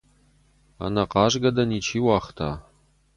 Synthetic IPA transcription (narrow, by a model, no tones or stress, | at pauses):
a̰nɐqɑːʒɡɐdɐniːt͡ʃʰiːwɑːχtʰa̰ː